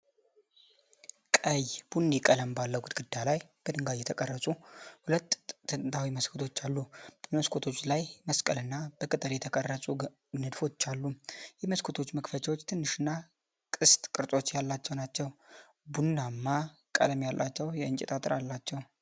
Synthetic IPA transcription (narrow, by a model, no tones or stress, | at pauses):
kʼəjb̥unːekʼələmbalːəwɡut̪ɡɨd̪ːalajb̥əd̪ɨŋɡajɛt̪ʰəkʼərːəsʼuhulət̪ːɨnt̪ʰawiməskʰot̪ʰo̞t͡ʃːalːub̥əməskʰot̪ʰo̞t͡ʃːlajməskʼəlɨnːab̥əkʼɨt̪ʼəljɛt̪ʰəkʼərːəsʼu | nɨd̪fo̞t͡ʃːalːujɛməskʰo̞t̪ʰo̞t͡ʃːməkfət͡ʃʰawot͡ʃːt̪ʰɨnːɨʃɨnːa | kʼɨst̪ʼkʼɨɾt̪ʼo̞t͡ʃːjalːat͡ʃːɛwnat͡ʃːɛw | bunːamːa | kʼə̰ləmjalːʔa̰t͡ʃːɛwjɛɨnt͡ʃʼɛt̪ʼat̪ʼɨɾalːat͡ʃːɛw